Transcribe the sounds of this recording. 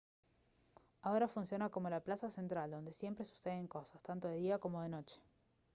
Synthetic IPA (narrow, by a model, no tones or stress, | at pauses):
aoɾafunsjo̞nako̞mo̞laplasase̞nt̪ɾald̪o̞nd̪e̞sje̞mpɾe̞su̥seðeŋko̞sḁst̪ant̪o̞ðe̞ðiako̞mo̞ð̞e̞no̞t͡ʃe̥